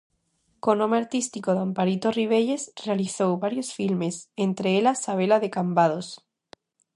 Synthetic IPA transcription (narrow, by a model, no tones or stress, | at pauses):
ko̞nomeaɾt̪ist̪ikoðampaɾit̪o̞riβ̞e̞ʎe̞srealiθowβaɾjo̞sfilme̞sent̪ɾeelasaβ̞e̞laðe̞kambað̞o̞s